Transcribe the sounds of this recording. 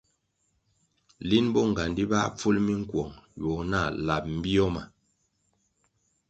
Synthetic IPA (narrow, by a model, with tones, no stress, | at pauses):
li˦nbɔ˦ŋ˨ɡa˨ndi˦ba˦p͡fu˦lmi˦ŋ̩˦kwɔ˨ŋjɔ˨na˦˨la˨p̚m̩˦bi˦ɔ˦ma˨